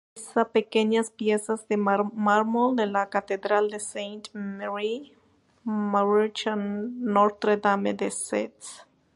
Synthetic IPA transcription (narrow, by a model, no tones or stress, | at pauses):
sapekeɲaspjesazðemaɾmold̪elakat̪eðɾald̪esejnt̪meɾi | maɾit͡ʃaːoɾt̪ɾed̪ameðesḛt̪s